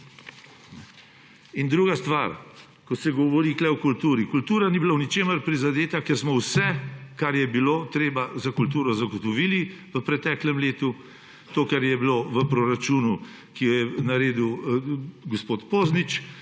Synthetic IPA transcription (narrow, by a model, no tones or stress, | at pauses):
ind̪ɾuːɡast̪ʋaɾ | kɔt̪sɛɡɔʋɔɾiːklɛɔkult̪uːɾikult̪uːɾanibilawnit͡ʃeːməɾpɾizad̪eːt̪akɛɾsmɔwsɛkaɾjɛbilot̪ɾeːbazakult̪uːɾɔzaɡɔt̪ɔʋili | ʋəpɾɛt̪ɛːklɛmleːt̪u | t̪oːkaɾjɛbiloʋəpɾoɾat͡ʃuːnu | kijɔjɛnaɾeːd̪uw | ɡospoːt̪poːznit͡ʃ